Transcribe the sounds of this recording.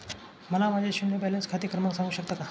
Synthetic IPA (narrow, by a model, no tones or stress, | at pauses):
mənabad͡ʑaɕumnebɛlənskʰat̪ikɾəməksaŋɡuɕək̚t̪aka